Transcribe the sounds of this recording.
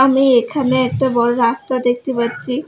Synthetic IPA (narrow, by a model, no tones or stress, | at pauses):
amiekʰaneɛk̚ʈabɔɾoɾast̪ad̪ek̚ʰt̪epatːɕʰi